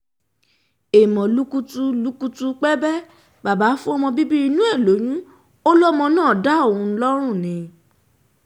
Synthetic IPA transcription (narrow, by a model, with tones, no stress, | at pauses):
e˨mɔ̃˨lu˨˦ku˦tu˦lu˨˦ku˦tu˧k͡pɛ˦bɛ˦ | ba˨ba˨˦fũ˦ɔ˧mɔ̃˧bi˦bi˦i˧nũ˦ɛ˦˨lo˨˦j̃ũ˦ | o˦lɔ˦mɔ̃˧nãː˦˨da˦o˦˨ũ˧˦lɔ˦ɾ̃ũ˦˨nĩ˨˧